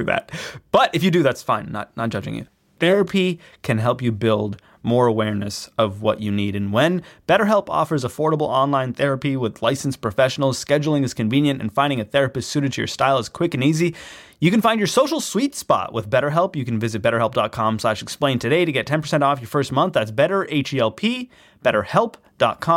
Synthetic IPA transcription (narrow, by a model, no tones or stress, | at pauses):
ðæ̰t̚b̥ʌɾɨfjɨdɨðætsfãɪ̃nːə̰t̚ⁿnət̚d̥ʒ̥ʌd͡ʒɪ̰̃ŋɨ̰ | θɛɹɨpʰi | kʰɨ̃nɦɛlˠpjɨbɪlˠd̚ | mɔɹəwɛɹnɨsʌvwʌ̰t͡ʃɨniɾɨ̃nwə̃nb̥ɛɾə˞ɦɛlˠpʰɔ̰fə˞zəfɔɹɾəbl̩ˠɑ̃nlãɪ̃nθɛɹɨpiwɪðlaɪsn̩spʰɹ̥ɨfɛʃn̩l̩ˠz̥skɛd͡ʒl̩ˠɪ̃ŋɨz̥kɨ̃ɱvĩnjɨ̃ntɨ̰̃n̩fãɪ̃ndɪ̃ŋɨθɛɹɨpɨstsʉɾɨd̚tʰɨjə̰˞staɪlˠəz̥kʰw̥ɪkɨ̃nizi | jɨkɨ̃n̩fãɪ̃nd͡ʒə˞soʊʃl̩ˠswitspɑ̰ʔwʔə̰ðbɛɾə˞ɦɛlˠpjɨkn̩vɪzɨt̚b̥ɛɾə˞ɛlˠp̚d̥ɑt̚kʰɑ̃msoʊaɪʃl̩ɨksplẽɪ̃ntʰɨɾeɪɾɨɡɛtʰɛ̃npʰə˞sɛ̃ntɔfjə˞fɜ˞st̚mʌ̃nθðætsb̥ɛɾə˞ʔeɪt͡ʃiɛlˠpʰi | b̥ɛɾə˞hɛlˠp | d̥ɑ̰t̚kʰɑ̃